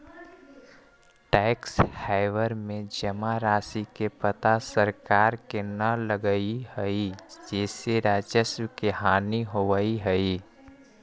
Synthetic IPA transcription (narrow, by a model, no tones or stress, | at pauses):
ʈɛːkshaːɪʋəɾmẽd͡ʒəmaɾaːsikepət̪asəɾkaːɾkenələɡəihəid͡ʒɛːseɾaːd͡ʒəsəkeɦaːniɦoʋəiɦəi